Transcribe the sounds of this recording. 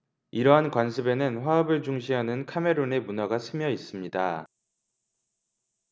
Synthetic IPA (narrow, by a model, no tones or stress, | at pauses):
iɾʌɦankwansʰɯbe̞nɯnɸwaʌbɯɭt͡ɕuŋɕʰiɦanɯnkʰame̞ɾone̞munaɡasʰɯmjʌis͈ɯmɲida